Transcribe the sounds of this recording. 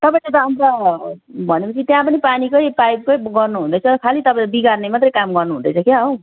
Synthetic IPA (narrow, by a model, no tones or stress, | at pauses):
t̪ʌpãĩt̪et̪amt̪ʌ | bʱʌnepʌt͡sʰit̪jãpʌnipanikʌjpajb̚kʌjɡʌrnuɦũnd̪ʌjt͡sʰʌkʰalit̪ʌpãbiɡarnemat̪rʌjkamɡʌrnuɦũnd̪ʌ̰jt͡sʰʌkeɦʌw